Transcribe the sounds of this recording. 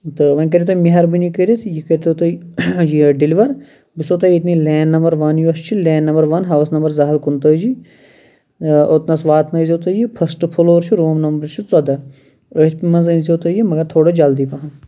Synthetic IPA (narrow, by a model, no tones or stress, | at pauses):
t̪ɨʋɐ̃k̬ɐɾʲiet̪ʰomiɦɐɾbinikəɾit̪ʰjikəɾʲt̪ʰːt̪ɐjiɖiliʋɐɾ | bisoːt̪ɐjit̪nileːnːɐmbɐɾʋɐnjuɐst͡ʃʰileːnːɐmbɐɾʋɐnɦɐʋɐsnɐmbɐɾzɐɦɐlkunt̪əːd͡ʒi | ot̪nɐsʋaːt̪nɐizʲoːt̪əjipʰɐsʈpʰuloːɾt͡ʃʰiɾoːmnɐmbɐɾt͡ʃʰit͡sɐd̪ɐ | ət̪pimɐnzɐnziot̪ɐjimɐɡɐɾt̪ʰoːɽɐd͡ʒɐld̪ipɐɦɐ̃